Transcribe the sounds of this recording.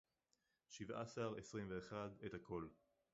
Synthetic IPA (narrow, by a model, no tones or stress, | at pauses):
ʃiva̰saʁesʁimveːχadethakʰo̞l